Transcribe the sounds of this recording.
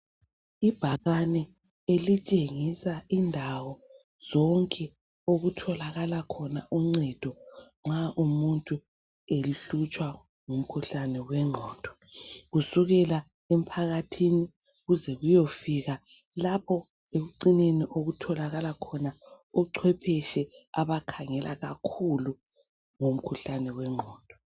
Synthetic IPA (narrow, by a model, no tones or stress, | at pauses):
ib̥ʱaɣanɛ | elit͡ʃʼeŋisaʔindʱawɔ | z̥ɔŋkʼɛ | oɣutʰɔlaɣalakʰɔnaʔuŋ͡ǀɛd̥ʱɔŋ͡ǁaʔumuntʼu | eliɬut͡ʃʼwa | ŋum̩kʰuɬanɛwɛŋ͡ǀʱɔːd̥ʱɔ̥ | ɣusuɣɛla | em̩pʰaɣatʰini | ɣuzɛɣujofiːɣa | lapʰɔ | eɣuǀineniʔoɣutʰɔlaɣalakʰɔna | ɔǀʰwɛpʰɛʃɛaβakʰaŋɛlʔa̰ɣakʰulu | ŋom̩kʰuɬanɛwɛŋ͡ǀʱɔːd̥ʱɔ̥